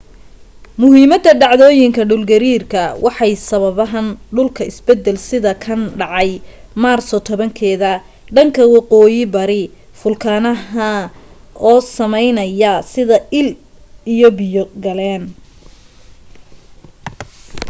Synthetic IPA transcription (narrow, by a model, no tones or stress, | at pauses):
mʊɦiːmɐd̪ɐɖɑʕðɔːjɪŋkʰɐɖʊlɡɐɾiːrkʰɐwʔɑħɑjsɐβɐβɐɦɐnɖʊlkʰɐɪsbɛd̪ːɛlsɪðɐkʰɐnɖɑʕɑj | maːrsɔt̪ʰɔβɐŋkʰɛːðɐ | ɖɐŋkʰɐwɑqɔːjɪbɐɾɪ | fʊlkʰaːnɐɐ | ʔɔːsɐmɛjnɐjɐsɪðɐʔɪl | ijɔbɪjɔɡɐlɛːn